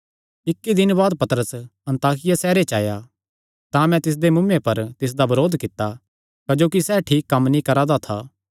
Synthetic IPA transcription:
ɪkːid̪ɪnbaːd̪̚pɐt̪əɾəsɐ̃nt̪aːkɪjasɛːɾet͡ʃa̰ːja | t̪ãmɛ̃t̪ɪs̬d̪emʊmepɐɾt̪ɪs̬d̪abɐɾoːd̪kɪt̪ːa | kɐd͡ʒoːkisɛːʈʰiːkːɐmːnĩkɐɾaːd̪at̪ʰa̰ː

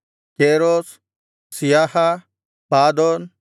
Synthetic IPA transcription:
keːɾoːs | sijaːha | paːd̪oːn

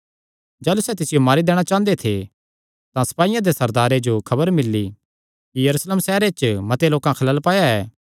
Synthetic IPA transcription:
d͡ʒaːlusɛt̪ɪsɪjomaːɾid̪eːɽ̃at͡ʃãːnd̪et̪ʰe | t̪ãsɐ̥paːijãd̪esɐɾd̪aːɾed͡ʒokʰɐbəɾmɪlːi | kijɐɾuːsleːmsɛːɾet͡ʃmɐt̪eloːkãkʰɐlaːlpaːjaɛː

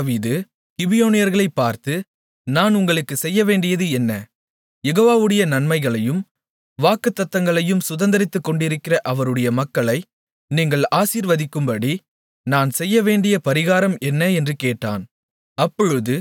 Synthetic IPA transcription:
ʋiːðɯ | kɪbɪjoːnɪjɐɾɣɐɭɐɪpːaːɾt̪ɯ | naːnʊŋɡɐɭɯkːɯsɛjːɐʋeːɳɖɪjɐðɯɛnːɐ | jɛɣoːʋaːʋɯɽɐjɐnɐnmɐɪɣɐɭɐjɯm | ʋaːkɯt̪ːɐt̪ːɐŋɡɐɭɐjɯmsʊðɐnd̪ɐɾɪt̪ːɯkːɔɳɖɪɾɯkːɪrɐʔɐʋɐɾɯɽɐjɐmɐkːɐɭɐɪ | niːŋɡɐɭaːsiːɾʋɐðɪkːɯmbɐɽi | naːnsɛjːɐʋeːɳɖɪjɐpɐɾɪɣaːɾɐmɛnːɐɛndrɯkeːʈːa̰ːn | ɐpːɔɻɯðɯ

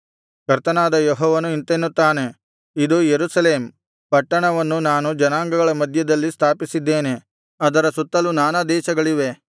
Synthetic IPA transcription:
kɐɾt̪ɐnaːd̪ɐjɔɦɔːʋɐnuint̪enːut̪ːaːne̞ | id̪ujeɾusɐleːm | pɐʈːɐɳɐʋɐnːunaːnud͡ʒɐnaːŋɡɐɡɐɭɐmɐd̪ʱjɐd̪ɐlːist̪ʰaːpisid̪ːeːne̞ | ɐd̪ɐɾɐsut̪ːɐlunaːnɐd̪ɛːʃɐɡɐɭiʋe̞

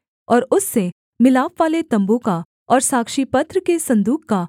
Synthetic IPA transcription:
ɔːɾʊsːe | mɪlaːpʋaːlet̪ɐ̃mboka | ɔːɾsaːkʃipɐt̪ɾəkesɐ̃nd̪uːkka

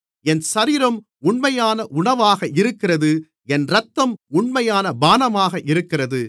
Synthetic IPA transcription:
ɛnsɐɾiːɾɐm | ʊɳmɐjaːnɐʔʊɳɐʋaːɣɐɪɾɯkːɪrɐðɯ | ɛnɾɐt̪ːɐmʊɳmɐjaːnɐbaːnɐmaːɣɐʔɪɾɯkːɪrɐðɯ

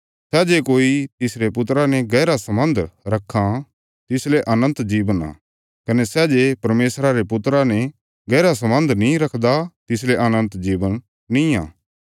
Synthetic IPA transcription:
sɛd͡ʒeːkoːit̪ɪsɾepʊt̪ɾanɛ̃ɡɛːɾasɐmə̃nd̪ʱɾɐkʰːã | t̪ɪsleʔɐnə̃nt̪d͡ʒiːʋəna̰ː | kɐnɛsɛd͡ʒepɐɾmeːsɾaɾepʊt̪ɾanɛ | ɡɛːɾas̬ɐmə̃nd̪ʱnĩɾɐkʰd̪at̪ɪs̬leʔɐnə̃nt̪d͡ʒiːʋənː | ĩã̰ː

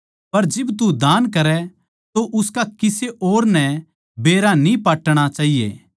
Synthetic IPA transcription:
pɐɾd͡ʒɪbt̪ud̪aːnkɐɾɛ | t̪oʔʊskakɪseʔoːɾnɛ | beːɾanĩpaːʈɽ̃at͡ʃaːɦijḛː

